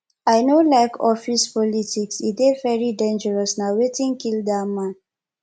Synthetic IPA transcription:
aɪnolaɪkɔfispɔlitiksidevɛɹidẽnd͡ʒəɹɔsnawetĩŋkildamãn

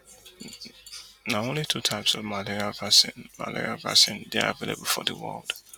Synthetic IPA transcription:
naõʊ̃nlitʰutʰaɪpsɔvmalɛɹiavasɪ̃nma̰lɛ̰ɹiava̰sɪ̃nðeə̰velˠḛbəl̩ˠfɔðəwɜ̰lˠd̥

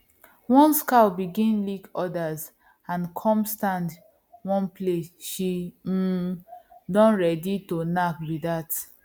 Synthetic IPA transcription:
wɔ̃nskabiɡĩnlikɔdaz | ãnkʰɔ̃mstãnd | wɔ̃nplesʃi | dɔ̃nɹɛditonakwidat

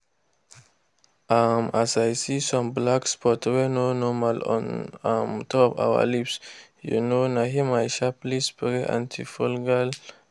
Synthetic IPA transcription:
amasajsisɔ̃mblakspɔtwɛnonɔmalɔ̰̃namtʰɔpa̰wə̰lips | jṵnonaɦimajʃaplispɹeʔã̰ntʰifɔlɡal

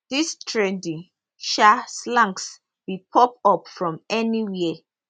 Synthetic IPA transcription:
d̥istʰɹɛdi | ʃaslãŋks | bipʰɔp̚ɔpfɹɔ̃mɛniwiə

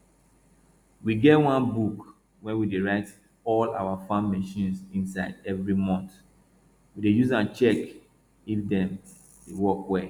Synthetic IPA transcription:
wiɡɛtwãnbuk | wɛ̃wideɹaɪt | ɔla̰wafãnmɛʃĩnsĩnsaɪdɛvɹimɔ̃nt | widejuzãnt͡ʃɛk | ifdɛ̃m | dewɔkwɛ

